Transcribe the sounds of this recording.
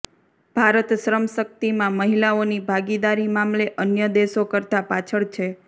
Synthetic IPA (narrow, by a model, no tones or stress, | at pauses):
b̥ʱaɾət̪ʃɾəmʃək̚t̪imãməɦilaonibʱaɡid̪aɾimamleʔənjəd̪eʃokəɾt̪apat͡ʃʰəɭt͡ʃʰe